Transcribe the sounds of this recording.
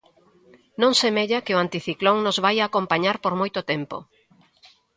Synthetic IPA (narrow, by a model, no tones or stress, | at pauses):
nõŋsemeʎakɪoant̪iθikloŋnozβajaːkompaɲaɾpoɾmojt̪ot̪ɛmpo̰